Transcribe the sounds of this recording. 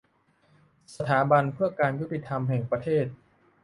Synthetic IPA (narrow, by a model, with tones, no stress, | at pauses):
sa˧t̪ʰaː˩˦ba˧npʰɯ˥˩ɐkaː˧nju˦˥t̪ːi˨˩t̪ʰa˧mɦɛ˨˩ŋpɾa˧t̪ʰeː˥˩t̪̚